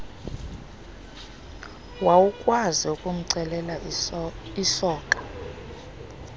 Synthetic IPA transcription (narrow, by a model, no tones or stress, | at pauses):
wawukʼwaziukʼum̩ǀɛlɛla | isɔːkʼḁ